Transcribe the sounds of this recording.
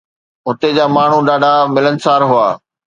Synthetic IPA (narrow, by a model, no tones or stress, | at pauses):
ɦʊt̪ed͡ʑaːmaːɳ̤uɗaːɖʱamɪlənɪ̆saːɾɦʊaː